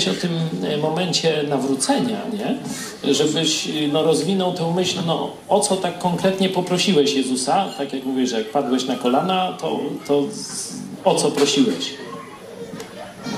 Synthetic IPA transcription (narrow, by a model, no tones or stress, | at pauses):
ɕɔt̪ɪmmɔmɛɲt͡ɕɛnavɾut̪sɛɲa̰ɲɛ | ʐɛbɘɕnɔɾɔzvʲinɔwt̪ɛ̃w̃mɘɕlnɔ̰ | ɔt̪sɔt̪akːɔŋkɾɛt̪ɲɛpɔpɾɔɕiwɛɕjɛzusat̪akʲjakmuvʲijwɛʐɛjak̚pad̪wɛɕnakɔlanat̪ɔ̰t̪ɔ | ɔt̪sɔpɾɔɕiwɛɕ